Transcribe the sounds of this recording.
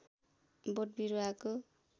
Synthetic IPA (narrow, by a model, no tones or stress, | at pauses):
boʈ̚biɾuako